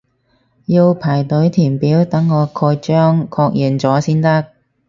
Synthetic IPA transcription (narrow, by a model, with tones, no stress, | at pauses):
ji˧wpʰaː˨˩jt̪ɵ˨˥ɥt̪ʰiː˨˩npiː˨˥wt̪ɐ˨˥ŋːɔː˨˧kʰɔː˧jt͡ʃœː˥ŋkʰɔː˧k̚ji˨nt͡sɔː˨˥siː˥nt̪ɐ˥k̚